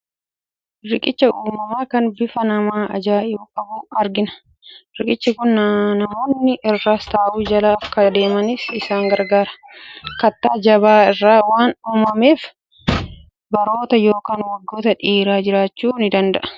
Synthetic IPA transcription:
rɪkʼɪt͡ʃːɐʔuːmɐmaːkɐnbɪfɐnɐmaːʔɐd͡ʒaːɪuːkʼɐbuːɐɾɡɪnɐ̥ | ɾɪkʼɪt͡ʃːɐkʊnːnɐmoːnːɪʔɪrːaːst̪aːʔuːd͡ʒɐlaɐkːɐd̪e̞ːmɐnɪsɪsaːŋɡɐɾɡaːɾɐ̥kɐt̪ːaːd͡ʒɐbaːɪrːaːwaːnuːmɐme̞ːf | bɐɾo̞ːt̪ɐjo̞ːkaːnwɐɡːoːt̪ɐᶑiːɾaːd͡ʒɪɾaːt͡ʃːuːnɪd̪ɐnd̪ɐʔɐ̥

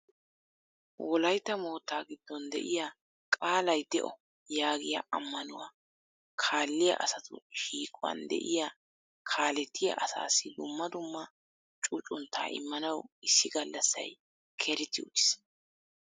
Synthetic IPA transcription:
wɔlɐjt̪ːɐmo̞ːt̪ːaːɡɪd̪ːɔnd̪ɛ̰ʔɪja | kʼaːlɐjd̪ɛʔɔ̰ | jaːɡɪjɐ̰ɐmːɐnʊwa | kʰaːlːɪjɐ̰ʔɐsɐt̪ʊ̰ʃiːkʼʊwɐ̰nd̪ɛ̰ʔɪja | kʰaːlɛt̪ːɪjɐ̰ʔɐsa̰ːsːɪd̪ʊmːɐd̪ʊmːɐ | t͡ʃʼuːt͡ʃʼʊnt̪ːa̰ːʔɪ̰mːɐnɐwɪsːɪɡɐlːɐsːɐ̰j | kʰɛɾɪt̪ɪʊ̰t͡ʃːɪ̥s

